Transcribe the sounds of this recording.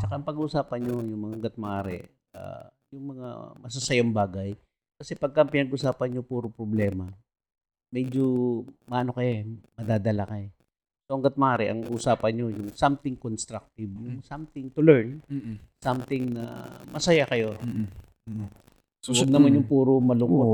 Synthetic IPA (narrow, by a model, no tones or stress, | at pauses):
t͡ʃɐkaʔɐŋpɐɡuʔːsaːpɐnɲo̞jʊŋmɐŋaŋɡɐt̪̚mɐʔaːɾɛ̰ | ɐ̰ | jʊŋmɐŋa̰mɐs̬ɐsɐjambaːɡɐj | kɐsɛpɐɡ̚kɐɐŋpɪnɐɡʔʊsaːpɐnjʊŋpuːɾopɾoblɛːmɐ | mɛd͡ʒomɐʔɐno̞kɐjamɐd̪aːd̪ɐlakɐ | soʔɐŋɡɐt̪̚mɐʔaːɾɛʔɐŋʔusaːpɐnɲo̞jʊŋsamt̪ɪŋkonst̪ɾak̚t̪ɪbjʊŋsamt̪ɪŋt̪ʊlɛɹnsamt̪ɪŋnɐ̰mɐsɐjakɐjo̞ | owɐɡ̚nɐmanjʊŋpuːɾomɐlʊŋko